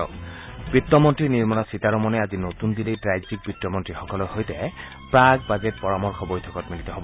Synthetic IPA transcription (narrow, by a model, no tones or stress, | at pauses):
ɔ̰ | b̥ɹitːɔmɔntɹiniɹmɔnasitaɹɔmɔnɛazinotundilejtɹajzik̚bɹitːɔmɔntɹixɔkɔlɔjxojtɛ | pɹaɡbazet̚pɔɹamɔlxɔbojtʰɔkɔtmilitɔɦobɔ